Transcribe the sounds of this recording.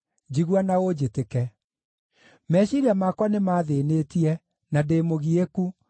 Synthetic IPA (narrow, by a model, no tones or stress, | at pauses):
d͡ʑiɣwanaod͡ʑetekɛ | mɛːɕiɾiamakwanemaðeneːtiɛ | nadeːmoɣieku